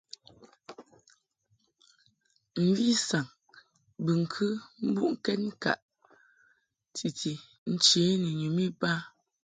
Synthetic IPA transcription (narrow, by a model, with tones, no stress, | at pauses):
m̩˨vi˦sa˨ŋ | bə˨ŋ̩˨kʰɨ˦m̩˦bu˦ʔŋ̩˦kɛ˦t̚ŋ̩˦ka̰˨ʔ | tʰi˨ti˨ | n̩˦t͡ʃe˨˦nə˨ɲu˨mi˦ba˦